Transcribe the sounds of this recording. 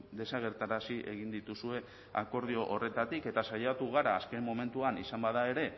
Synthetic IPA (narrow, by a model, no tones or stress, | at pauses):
d̪e̞saɣ̞e̞ɾt̪aɾasiʔe̞̰ɣ̞ind̪it̪usue̞ | ako̞ɾðio̞ʔore̞t̪at̪ike̞t̪asajat̪uɣ̞aɾaːske̞mːo̞me̞nt̪uanisambað̞ae̞ɾe̞